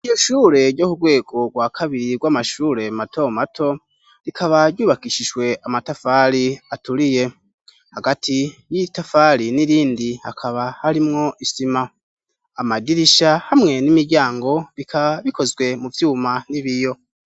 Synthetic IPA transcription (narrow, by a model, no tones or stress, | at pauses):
ijo̞ʃuːɾe̞ɾɟoːkuɡwe̞ːɡ̥o̞ɡwakʰaβiɾiɡwamaʃuːɾe̞matʰo̞matʰo̞ | ɾikʰaβaɾɟuːβakiʃiʒwe̞amatafaɾiatuɾije̞ | haɡatʰijitafaɾiniɾiːndihakʰaβahaɾimŋo̞ʔisima | amadiɾiʃahamŋe̞nimiɟaːŋɡo̞βikʰaβaβikʰo̞zɡwe̞muvjuːmaniβijo̞